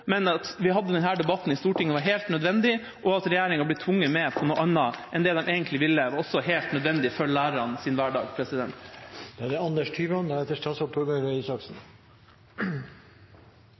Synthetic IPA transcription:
mɛnɑt̪ʋɪɦɑd̪ːəd̪ɛnɦæːɖɛbɑt̪ːn̩ɪst̪uːʈɪŋːəʋɑɾɦeːlt̪nœd̪ʋɛnd̪ɪ | ʔɔɑt̪ɾɛjæːɾɪŋɑbliːt̪ʰʋʊŋːəɾmɛpʰɔnuːʔɑnːɑʔɛnd̪ɛːd̪ɛmʔeːɡənt̪lɪʋɪlːəʋɑɾɔsːɔɦeːlt̪nœd̪ʋɛnd̪ɪfœɭlæːɾəɾɑnsɪːnʋæːɖɑ̰ːɡpʰɾɛsɪd̪ɛnt̪d̪̥ɛɑd̪ɛɑnd̪əʂʈ̪ʰyːʋɑnd̪ɛɛt̪ːəʂʈɑsɔp̪ʰɔɡøɾəiːsɑksn̩

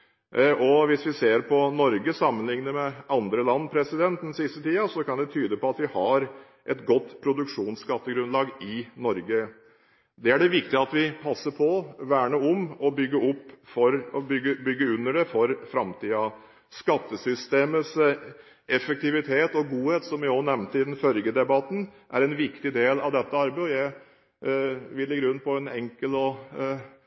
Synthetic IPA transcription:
ɔʋɪsʋɪseːɾpʰɔnɔɾɡəsɑmːənlɪŋnəɾmɛʔɑnd̪ɾəlɑnːpʰɾɛsɪd̪ɛnt̪n̩sɪst̪ət̪ʰiːɑsɔkɑnd̪ɛt̪ʰyːd̪əpɔɑt̪ʋɪhɑɾ | ʔɛt̪ɡɔt̪ːpʰɾʊd̪ʉkʂuːnskɑt̪ːəɡɾʉnlɑːɡɪnɔɾɡə | d̪ɛæɖɛʋɪkt̪ɪəɑt̪ʋɪpʰɑsːəɾpʰɔʋæːɳəʊmɔbʏɡːəʊpːfɔɾɔbʏɡːəbʏɡːəʉnːəɖɛfɔɾfɾɑmt̪ʰiːɑ | skɑt̪ːəsʏst̪eːməs | ʔɛfək̚t̪ɪʋɪt̪ʰeːt̪ɔɡuːheːt̪sɔmʋɪɔnɛʋnt̪əɪd̪ɛnfœlɡəd̪ɛbɑt̪n̩ | ʔæɾɛnʋɪkt̪ɪd̪eːlɑʋd̪ɛt̪ːəɑɾbeɪɔjæɪ | ʋɪlɪɡːɾʉnːpʰɔɛnɛŋkəlɔ

